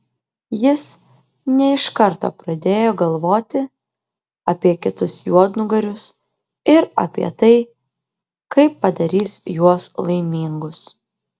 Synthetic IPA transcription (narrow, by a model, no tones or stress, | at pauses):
jɪs | nʲɛɪʃkɐɾt̪o̰ːpɾɐd̪ʲeːjoːɡɐlˠʋoːt̪ʲɪ | ɐpʲiɛkʲɪt̪ʊsjuɔd̪nʊɡɐɾʲʊs | ɪɾɐ̰pʲḭɛt̪ɐɪ | kɐɪpːɐd̪ɐɾʲiːsjuɔslˠɐɪmʲiːŋɡʊs